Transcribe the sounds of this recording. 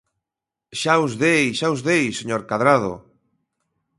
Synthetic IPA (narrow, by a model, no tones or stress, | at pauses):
ʃauzðejʃauzðejseɲoɾkaðɾað̞o̰